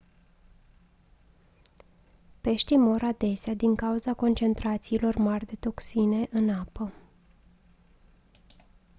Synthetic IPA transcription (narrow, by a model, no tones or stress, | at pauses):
pe̞ʃt̪ijmo̞ɾad̪e̞sead̪iŋkauzako̞nt͡ʃe̞nt̪ɾat̪siːlo̞rmarʲd̪e̞t̪o̞ksine̞ʔɨnapə